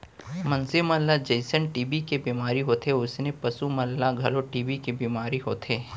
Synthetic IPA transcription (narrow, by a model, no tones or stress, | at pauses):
mɐ̃nsɪmɐlːad͡ʒɐɪsənʈiːbikebiːmaːɾiɦoːt̪eʊsnepɐsumɐlːaɡʱɐloʈiːbikebiːmaːɾiɦo̰ːt̪ʰeː